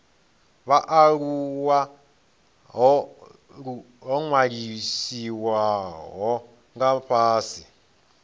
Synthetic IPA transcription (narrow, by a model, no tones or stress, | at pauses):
βaʔaɺuwa | ɦɔ | u | ɦɔŋwaɺisiwaɦɔ | ŋɡaɸʰaːsi